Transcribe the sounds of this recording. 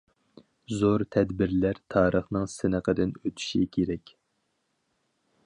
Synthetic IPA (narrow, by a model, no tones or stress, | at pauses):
zoɾt̪ʰɛd̪bɪɾlæɾt̪ʰɑːɾʔəχnɨŋsɪnəqʰəd̪ɪnøt̪ʰy̥ʃḭkʲʰeɾɛkʲ